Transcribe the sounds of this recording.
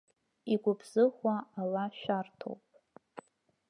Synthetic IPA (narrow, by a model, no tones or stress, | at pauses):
iɡʷʊpʰz̥ɨχʷaalaʃᶣartʰo̰wpʼ